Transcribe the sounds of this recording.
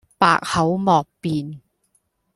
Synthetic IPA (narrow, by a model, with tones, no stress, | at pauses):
pa̰ː˨˧k̚hɐ˨˥wmɔː˨k̚piː˨n